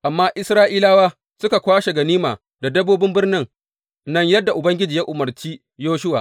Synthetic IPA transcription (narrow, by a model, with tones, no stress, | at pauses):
ʔa˨mːaː˦ʔɪ˦sɾaː˦ʔiː˦laː˦waː˦ | sʊ˦ka˨kʷaː˦ʃe˨ɡɐ˨niː˦maː˨ | da˨dɐ˦boː˦bɪ˦mbɪ˦rnɪ˦ŋ | nɐ˦ɲjɐ˦dːa˨ʔʊ˨bɐ˦ŋɡʲɪ˦d͡ʒiː˨ja˦ʔʊ˨mɐ˨rt͡ʃiː˦ | joː˦ʃʊ˦wa̰ː˨ʔ